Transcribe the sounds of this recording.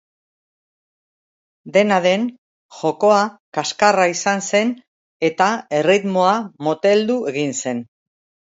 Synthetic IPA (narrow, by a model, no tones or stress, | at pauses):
d̪e̞naðe̞n | ʝo̞ko̞akaskaraisanse̞n | e̞t̪ae̞rit̪mo̞amot̪e̞ld̪ue̞ɣinse̞n